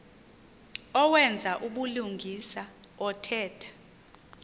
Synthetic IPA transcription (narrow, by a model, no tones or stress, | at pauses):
ɔwɛnd͡zʱaʔuɓuluŋɡʱisa | ɔtʰɛːtʰḁ